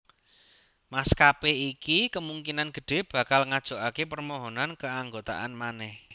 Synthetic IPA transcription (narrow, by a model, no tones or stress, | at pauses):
maskapeikikəmuŋkinanɡ̥ə̤ɖ̥e̤b̥ä̤kalŋad̥ʒ̥o̤ʔakepərmɔɦɔnankəaŋɡot̪a̰ʔanmanɛh